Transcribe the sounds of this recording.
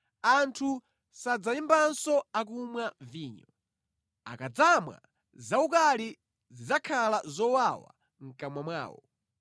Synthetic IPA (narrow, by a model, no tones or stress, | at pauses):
antʰu | sad͡zaimbansɔakumwaviːɲɔ | a̰kad͡zamwa̰ | zaukali | zizakʰalazɔwawa̰ | ŋ̩kamwamwa̰ːwɔ̰